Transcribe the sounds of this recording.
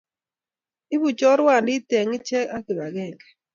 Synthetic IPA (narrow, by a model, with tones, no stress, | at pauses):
ɪ˦βu˨t͡ʃɔ˦ɾwa˦˨ndɪ˦tɛ˨ŋɪ˦t͡ʃɛ˦a˦kɪ˨βa˨ɡɛ˦˨ŋɡɛ˨